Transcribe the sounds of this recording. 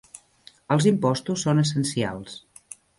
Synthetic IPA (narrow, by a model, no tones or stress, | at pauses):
əlˠzimpɔst̪usːonəsənsia̰lˠs